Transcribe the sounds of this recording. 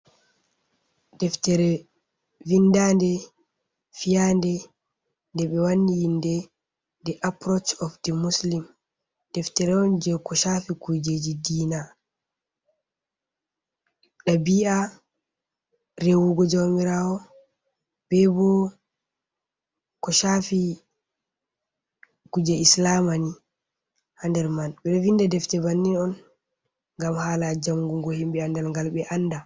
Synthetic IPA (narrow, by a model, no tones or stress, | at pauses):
dɛftɛɾɛ | vindandɛ | fijandɛ | ndɛɓɛwanːijindɛ | dɛʔapɾɔt͡ʃɔfdɛmuslim | d̥ɛftɛɾɛɔnd͡ʒɛkɔʃafikujd͡ʒed͡ʒidiːna | ɗabia | rewuɡɔd͡ʒawmiɾaɔ | b̥ɛbɔ | kɔʃafi | kud͡ʒɛislamani | handɛɾmanɓɛɗɔvindadɛftɛbanːinɔn | ŋɡamhaːlad͡ʒamɡuŋɡɔhimɓɛandɛlŋɡalɓɛʔanːda